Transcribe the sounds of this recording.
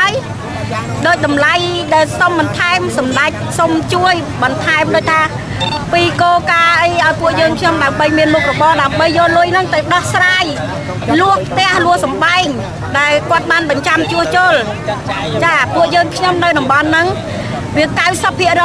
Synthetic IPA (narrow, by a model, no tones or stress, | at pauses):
aəj | ɗoːc̚ɗɑmlajɗaɛlsomɓɑnt̪ʰaɛmsɑmɗac̚somt͡ɕuəj | ɓɑnt̪ʰaɛmɗoːc̚t̪ʰaː | piːkoːkaːʔəjʔaɔjpuəʔjəːŋkʰɲomɗaəmɓəjmiənmuk̚rɔɓɑːɗaəmɓəjːoːluəjnɨŋt̪əwɗɑhsraːj | luəhʰt̪ɛ̆əʔluəhsɑmɓaɛŋ | ɗaɛlkŏət̪̚ɓaːnɓɑɲt͡ɕamt͡ɕuəht͡ɕoːl | t͡ɕaːpuəʔjəːŋkʰɲomnɨwɗɑmɓɑnːɨŋ | ʋiəkawsəpʰːiəʔrɔː